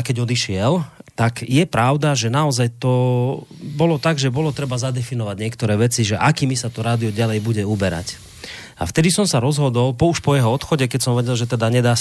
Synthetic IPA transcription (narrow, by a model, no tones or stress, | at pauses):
kɛɟɔd̪iʃɪɛlt̪akjɛpɾaʊd̪aʒɛnaɔzajt̪ɔ | bɔlɔt̪aɡʒɛbɔlɔt̪ɾɛbazad̪ɛfinɔʋaɟɲɪɛkt̪ɔɾɛːʋɛt͡siʒɛʔakiːmisat̪ɔɾaːd̪iɔɟalɛjbuɟɛubɛɾa̰c | a̰ft̪ɛd̪isɔmsaɾɔzɦɔd̪ɔlpɔuʃpɔjɛɦɔɔt̪xɔɟɛkɛcsɔmʋɛɟɛlʒɛt̪ɛd̪aɲɛd̪aː